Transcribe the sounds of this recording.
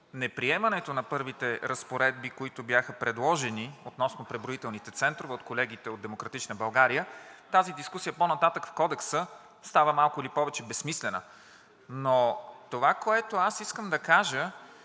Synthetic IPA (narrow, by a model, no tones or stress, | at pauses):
nɛpɾiɛmɐnɛt̪onɐpɤɾvit̪ɛɾɐspoɾɛd̪̚bikoit̪objaxəpɾɛd̪lˠɔʒɛniot̪nɔsnopɾɛbɾoit̪ɛlˠnit̪ɛt̪sɛnt̪ɾovɛot̪kolɛɡit̪ɛod̪d̪ɛmokɾɐt̪it͡ʃnəbɐlˠɡaɾijət̪azid̪iskusijəponɐt̪at̪əkfkɔd̪ɛksə | st̪avəmalˠkʊilipɔvɛt͡ʃɛbɛsmislɛnə̰ | not̪ovakoɛt̪oasiskəmd̪ɐkaʒə